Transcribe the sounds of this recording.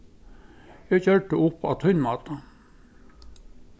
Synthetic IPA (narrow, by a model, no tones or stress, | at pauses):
jæçœʈəʔʊpːɑ̰ːt̪ʰœnmɑːt̪ɑ